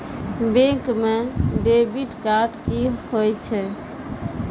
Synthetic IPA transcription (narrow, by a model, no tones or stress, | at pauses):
bẽkmeɖebiʈkaɾʈkihojt͡ʃʰɛ